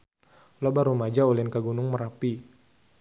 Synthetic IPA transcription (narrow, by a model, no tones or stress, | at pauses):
lobaɾumad͡ʒaolɛnkaɡunʊŋməɾapi